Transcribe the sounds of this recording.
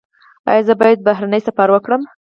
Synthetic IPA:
ɑ̰jɑzəbɑjad̪̚baɦɾanəjsafaɾwəkɽəm

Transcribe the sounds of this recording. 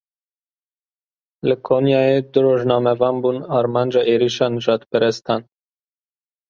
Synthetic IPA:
ləkʰonjaed̪ɾoʒnamɛvambunaɾmand͡ʒaʔeɾiʃanʒat̪pɛɾɛst̪an

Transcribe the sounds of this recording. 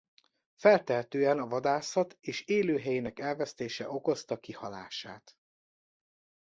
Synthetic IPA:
fɛlt̪ɛɦɛt̪øːɛnɒvɒd̪aːsɒt̪eːʃeːløːɦɛjinɛkɛlvɛst̪eːʃɛʔo̞ko̞st̪ɒkihɒla̰ːʃa̰ːt̪

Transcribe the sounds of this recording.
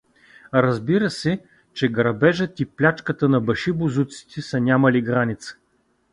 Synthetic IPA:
ɾɐzbiɾəsɛ | t͡ʃɛɡɾɐbɛʒət̪iplʲat͡ʃkət̪ənɐbɐʃibʊzut̪si̥t̪ʰɛsɐnʲamɐliɡɾanʲit̪sə̥

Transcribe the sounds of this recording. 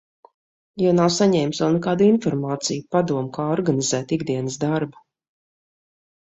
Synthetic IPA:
janawsaɲɛjmsvɛlˠnɛkaːd̪infɔɾmaːt̪sijupad̪uɔmkaːɔɾɡanizæːt̪iɡd̪iɛnəsd̪aɾbu

